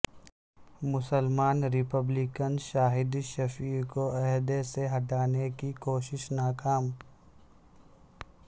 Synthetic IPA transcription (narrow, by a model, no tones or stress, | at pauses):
mʊsəlmaːnɾɪpəblɪkənʃaːɦɪd̪ʃɐfiːɾkoɛɦd̪eseɦɐʈaːnekikoːʃɪʃnaːkaːm